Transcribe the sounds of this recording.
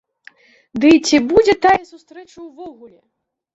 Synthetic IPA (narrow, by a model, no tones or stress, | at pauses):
d̪ɨt͡sʲibud͡zʲɛt̪ajɛsust̪ɾɛt͡ʂɐwvɔɣulʲɛ